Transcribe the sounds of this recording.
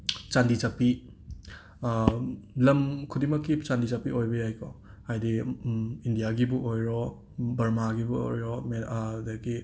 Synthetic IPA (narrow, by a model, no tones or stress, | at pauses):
t͡ʃandizapi | lɐmkʰudimɐkːit͡ʃandizapiojbɐjajkʰo | hajdi | indijaɡibuʔojɾɔ | bɐɾmaɡibuo̰jɾɔmeadɐɡi